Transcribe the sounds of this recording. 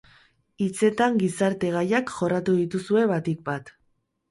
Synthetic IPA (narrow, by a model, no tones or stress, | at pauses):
it͡se̞t̪aŋɡisaɾt̪e̞ɣ̞ajakʝo̞rat̪uðit̪usue̞βat̪ik̚bat̪